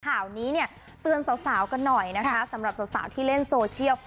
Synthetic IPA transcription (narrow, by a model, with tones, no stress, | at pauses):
kʰaː˨˩wniː˦˥ni˥˩ɐə | t̪ɯ˧ənsaː˩˦wsaː˩˦wka˧nːɔ˨˩jna˦˥kʰa˦˥sa˩˦mɾa˨˩p̚sa˨˦wsa̰ː˩˦wt̪ʰiː˥˩le˥˩nsoː˧t͡ɕʰi˥˩əw